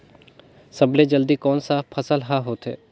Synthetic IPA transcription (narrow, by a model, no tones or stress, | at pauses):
sɐbled͡ʒəld̪ikɔːnsaːpʰəsəlɦaɦoːt̪ɦḛː